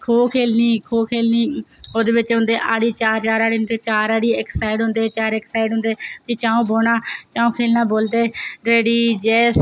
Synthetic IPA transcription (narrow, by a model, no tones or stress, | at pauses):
kʰoːkʰeːlniːkʰoːkʰeːlniːoːd̪eːʋɪt͡ʃɦʊ̃nd̪eːʔaːɽiːt͡ʃaːɾt͡ʃaːɾaːɽiːet͡ʃaːɾaːɽiːɪksaːɪɖɦʊ̃nd̪eːt͡ʃaːɾeksaːɪɖɦʊ̃nd̪eːt̪iːt͡ʃaːõːboːnaːt͡ʃãːũːkʰeːlnaːboːld̪eːɾeːɽiːd͡ʒɛːs